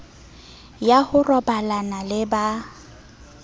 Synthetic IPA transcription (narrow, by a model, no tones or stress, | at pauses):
jahʊrɔbalanalɪba